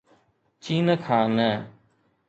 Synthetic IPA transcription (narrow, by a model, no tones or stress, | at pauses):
t͡ʃiːnəkʰaːnɛː